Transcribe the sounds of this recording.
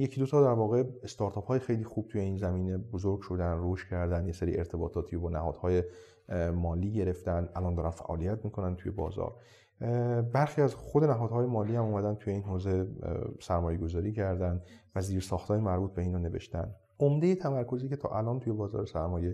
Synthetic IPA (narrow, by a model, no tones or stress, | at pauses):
jecʰiːd̪ot̪ʰɒːd̪æɾvɒːɣe̞est̪ɒɾt̪ʰɒːpʰɒːjexe̞jliːxuːb̥̚t̪ʰuːje̞iːnzæmiːne̞bozoɾɡʃod̪ænroʃcʰæɾd̪ænd̪jese̞ɾḭe̞ɾt̪ʰe̞bɒːt̪ʰɒːt̪ʰiːobɒːnæhɒ̰ːd̪̥hɒːje | mɒːliːɟe̞ɾe̞ft̪ænd̪ʔælɒːnd̪ɒːɾænfæ̰ʔɒ̰ːlijæt̪miːkʰo̞nænt̪ʰuːje̞bɒ̰ːzɒ̰ːɾ | bæɾxiːæzxod̪e̞næɦɒːd̪hɒːje̞mɒːliːhæmuːmæd̪ænt̪ʰuːje̞iːnɦoːze̞sæɾmɒːje̞ɡo̞zɒːɾiːcʰæɾd̪ænd̪væziːɾsɒːxt̪ʰɒːjemæɾbuːt̪̚beiːnone̞vḛʃt̪æ̰n | omd̪ejet̪ʰæmæɾkʰo̞ziːcʰe̞t̪ʰɒ̰ːʔælɒːnt̪ʰuje̞bɒːzɒ̰ːɾesæɾmɒːje̞